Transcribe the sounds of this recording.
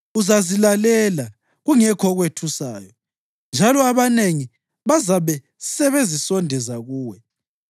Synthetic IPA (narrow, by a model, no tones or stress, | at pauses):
uzazilalɛla | ɣuŋɛkʰɔɣwetʰusaːjɔ | nd͡ʒʱalɔaβaneŋi | βazaβɛ | sɛβezisɔndʱɛzaɣuːwɛ